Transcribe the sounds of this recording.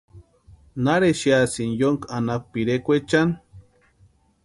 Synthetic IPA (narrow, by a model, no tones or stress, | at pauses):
naɾeʃiasinjoŋkanak̚ʷpiɾekʷet͡ʃan